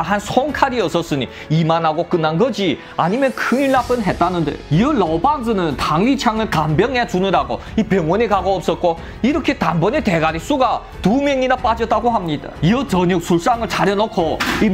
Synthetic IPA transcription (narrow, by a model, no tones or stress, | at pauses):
ɦansʰoŋkʰaɾiʌs͈ʌs͈ɯɲi | imanɦaɡok͈ɯnːanɡʌd͡ʑi | a̰ɲimjʌnkʰɯŋiɭːap͈ɯnɦe̞t̚t͈anɯndḛiʌɭʌbaŋsɯnɯntaŋlit͡ɕʰaŋɯɭtambjʌŋɦet͡ɕunɯɾaɡo | ipjʌŋwʌnekaɡoʌp̚s͈ʌt̚k͈o | iɾʌkʰetambʌnete̞ɡaɾis͈uɡa | tumjʌŋinap͈ad͡ʑʌt͈aɡoɦamɲida̰iʌt͡ɕʌɲʌk̚sʰuɭs͈aŋɯɭt͡ɕaɾjʌnokʰoi